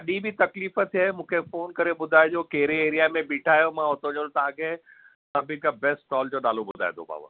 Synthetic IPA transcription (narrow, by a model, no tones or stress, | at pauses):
aɗĩːbʱit̪ɐkliːfət̪ʰɦamũːkʰefoːnkɐɾeɓʊd̪ʱaːjd͡ʑoːkeɦɾeeːɾijamẽbiːʈʰaːjomãɦʊt̪ʰõd͡ʑolt̪ɐãkʰe | sɐbʱĩkabɛːsʈʈɔːld͡ʑoːɗaːlobʊd̪ʱa̰ːed̪ʰo̰pa̰ːbə̰ɾ